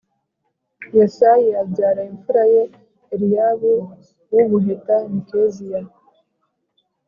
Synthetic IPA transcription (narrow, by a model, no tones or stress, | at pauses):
jasajijabɟaːɾaiɱfuɾajeː | ɾijaβu | wuβuɦetaemikezija